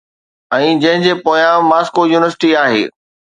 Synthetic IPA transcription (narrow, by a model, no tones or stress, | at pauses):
ɛ̃ːd͡ʑɐ̃ɦɪ̃d͡ʑeːpoːjãmaːskojuːnɪʋəɾsɪ̥ʈiaːɦḛː